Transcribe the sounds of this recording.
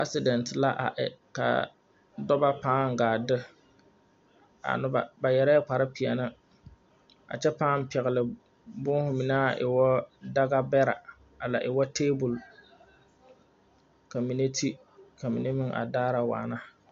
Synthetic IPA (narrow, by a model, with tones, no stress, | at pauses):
a̰˦sɪ˦dɛ˨ntɪ˨la˦ʔa̰˨ʔɪ̰˨ka̰˨ | dɔ˦ba˦paː˦ŋ˨ɡaː˨dɪ˦ | a̰˨nʊ˦ba˨ba˨jɛ˨ɾɛ˦k͡pa˨ɾɪ˦pi˨a̰˨na˦ | a̰˨t͡ʃɛ˦paː˦m˦˨pɛ˨ɣɪ˨lɪ˨ | bʊ˦hʊ˨˦mi˨na˦˨ʔɪ̰˨wɔ˦da˦ɡa˦bɛ˦ɾa̰˨ | a˨la˨ʔɪ˨wɔ˦tʰeː˦bʊ˨l | ka˨mi˨ne˦tʰi˦ | kʰa˨mḭ˨ne˦mɪ˦ŋʔa̰˨daː˦ɾa˨wa̰ː˨na˦